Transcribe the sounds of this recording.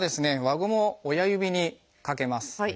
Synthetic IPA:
d̪e̞sɨne̞βaɡɯmo̞ːjajɯ̟bʲiɲ̟i | kake̞masɨ̥

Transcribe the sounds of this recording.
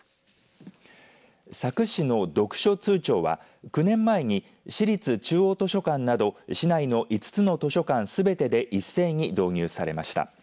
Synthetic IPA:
sakɯ̟ɕino̞d̪o̞kɯ̟̥ɕo̞t͡sɨːt͡ɕo̞ːβa̰ | kɯ̟nẽ̞mːae̞ɲ̟i | ɕiɾʲit͡sɨt͡ɕɨːo̞ːt̪oɕo̞kãnːad̪o̞ɕinaino̞ʔit͡sɨ̥t͡sɨno̞t̪o̞ɕo̞kãñsɨbe̞t̪e̞d̪e̞ʔisːe̞ːɲ̟id̪o̞ːɲ̟ɨːsaɾe̞̰ma̰ɕi̥t̪a̰

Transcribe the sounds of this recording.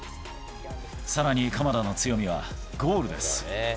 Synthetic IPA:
saɾaɲ̟ikamad̪ano̞t͡sɨjo̞mʲiβ̞a̰ | ɡo̞ːɾɯ̟d̪e̞sɨ̥

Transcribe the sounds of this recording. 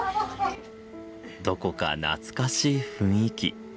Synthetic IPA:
d̪o̞ko̞ka̰na̰t͡sɨ̥kaɕiːɸɯ̟̃ɰ̃ikʲḭ

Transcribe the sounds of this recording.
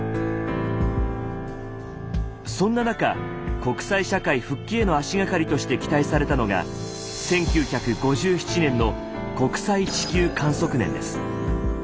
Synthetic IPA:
sõ̞nːanaka | ko̞kɯ̟̥saiɕakaiɸɯ̟kʲːe̞ːno̞aɕiɡakaɾʲit̪o̞ɕi̥t̪e̞kʲi̥t̪aisaɾe̞t̪ano̞ɡa̰ | sẽ̞ŋkʲɨːçakɯ̟ɡo̞ʑɨːçi̥t͡ɕinẽ̞nːo̞ | ko̞kɯ̟̥sait͡ɕi̥kʲɨːkãɰ̃so̞kɯ̟nẽ̞̰nd̪e̞̰sɨ̥

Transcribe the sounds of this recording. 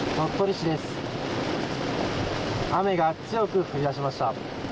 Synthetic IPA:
t̪o̞t̪ːo̞ɾʲiɕid̪e̞sɨ̥ | ame̞ɡat͡sɨjo̞kɯ̟ɸɯ̟ɾʲid̪aɕ̬imaɕi̥t̪a

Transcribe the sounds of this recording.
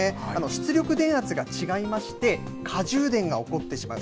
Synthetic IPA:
eano̞ɕi̥t͡sɨɾʲo̞kɯ̟d̪ẽ̞ɰ̃at͡sɨɡat͡ɕiɡaimaɕi̥t̪e̞ | kʰaʑɨːd̪ẽ̞ŋɡao̞ko̞t̪ːe̞ɕimaɯ̟

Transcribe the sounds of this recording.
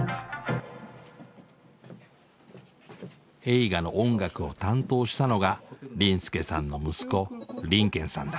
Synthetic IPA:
e̞iɡano̞ʔõŋɡakɯ̟o̞t̪ãnt̪o̞ːɕi̥t̪ano̞ɡaɾʲĩɰ̃sɨ̥ke̞sã̰nːo̞mɯ̟sɨ̥ko̞ɾʲĩŋkẽ̞ɰ̃sã̰nd̪a

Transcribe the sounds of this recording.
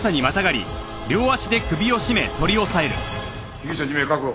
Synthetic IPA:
t̪aɲ̟imat̪aɡaɾʲḭ | ɾʲo̞ːaɕid̪e̞kɯ̟bʲio̞ɕime̞t̪o̞ɾʲio̞sae̞ɾɯ̟̰ | iɡʲiɕaɲimekakɯ

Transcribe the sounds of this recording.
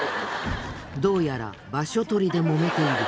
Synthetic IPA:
d̪o̞ːjaɾa̰ | baɕo̞t̪o̞ɾʲid̪e̞mo̞me̞t̪e̞iɾɯ̟

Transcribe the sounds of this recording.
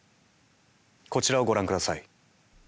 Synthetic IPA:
ko̞t͡ɕiɾao̞ɡo̞ɾãŋkɯd̪asai

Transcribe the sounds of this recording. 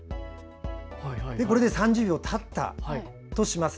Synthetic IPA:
d̪eko̞ɾe̞d̪e̞sãɲ̟d͡ʑɨːbʲo̞ːt̪ʰat̪ːa̰ | t̪o̞ɕimas

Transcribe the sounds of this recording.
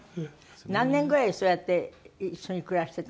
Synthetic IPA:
nãnːẽ̞ŋɡɯeiɕojat̪ːe̞iɕːo̞ɲ̟ikɯ̟ɾaɕit̪e̞t̪

